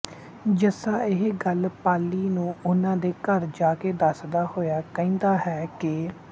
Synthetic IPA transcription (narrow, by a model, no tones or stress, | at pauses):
d͡ʒəsaːɪɦeɡəlpaːlːiːnũːʔʊnãːd̪eːkəɾd͡ʒaːkeːd̪əsd̪aːhoːjaːkɛ̃ːnd̪aːɦɛːkɪ